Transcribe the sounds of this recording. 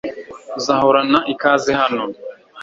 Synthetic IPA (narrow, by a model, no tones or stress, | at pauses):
uzahoɾanaʔikaːzehano